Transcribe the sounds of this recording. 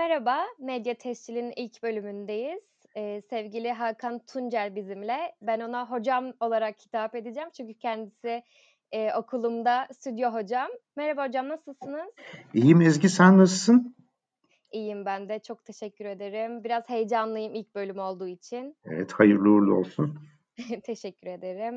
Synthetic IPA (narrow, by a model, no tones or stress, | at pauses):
mɛɾabamed̪jat̪ʰɛst͡ʃilʲinilʲcbø̞lʲymynd̪e̞jiz̥ː | sɛvɟilʲiɦakʰant̪ʰund͡ʒæɾbizimlʲɛbæno̞naɦo̞d͡ʒamo̞lˠaɾakhʰi̥t̪ʰape̞d̪id͡ʒæmt͡ʃʰyɲcycʰɛnd̪isɪː | o̞kʰulˠumd̪ast̪ʰyd̪jo̞ɦo̞d͡ʒamːɛɾabaho̞d͡ʒamnasɯlˠsɯnɯz̥ijimizɟisænnasɯlsɯn | ijimbænd̪ɛt͡ʃʰo̞k̚t̪ʰe̞ʃɛcʰːyɾe̞d̪e̞ɾimbiɾazhe̞jd͡ʒanlˠɯjɯmilʲc̚bø̞lʲymo̞lˠd̪uːit͡ʃʰinḛvɛ̰t̪hajɯɾlˠuɾlˠuo̞̰lˠsun | t̪ʰe̞ʃɛcʲːyɾe̞d̪e̞ɾim